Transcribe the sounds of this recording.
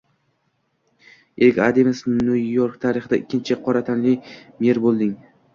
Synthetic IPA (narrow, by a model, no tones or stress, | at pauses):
elkʲad̪emɪsnujoɾkt̪ʰaɾɪχɪd̪aʔɪkʲːɪnt͡ʃʰɪqʰɒɾat̪ʰanlɪjmeɾbolˠd̪ɪŋ